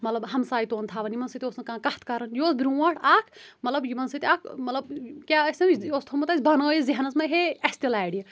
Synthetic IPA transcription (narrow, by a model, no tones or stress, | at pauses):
mɐt̪lɐbɦɐmsaːit̪oːnt̪ʰaːʋɐnimɐnsit̪ioːsnɨkãːkɐht̪kɐɾɐnjoːsbɾũwaːʈʰaːkʰmɐt̪lɐbjimɐnsit̪akʰmɐt̪lɐbkʲaːɐsʲɐmost̪ʰomɐt̪ɐsʲbʱɐnoːjiziɦɐnɐsmɐɦeɐsʲt̪ilaːɽijɐ